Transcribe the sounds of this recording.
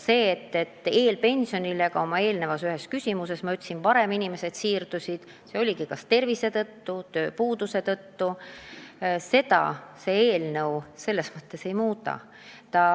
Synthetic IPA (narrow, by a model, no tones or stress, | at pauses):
se̞ːt̪ːe̞t̪ːe̞ːlpe̞nʲsio̞nile̞ɡ̥ɑo̞mɑe̞ːlnevɑsyɦe̞skysʲimuse̞smɑyt̪ʲːsinpɑɾe̞minime̞se̞d̪̥siːrd̪̥usʲid̪̥ | se̞o̞lʲiɡikɑst̪e̞rvise̞t̪ɤt̪ːut̪ø̞ːpuːd̪̥use̞t̪ɤt̪ːu | se̞t̪ɑ̰se̞eːlnɤwse̞lːe̞smɤ̥t̪ːe̞se̞jmuːt̪ˑɑ̰ | t̪ɑ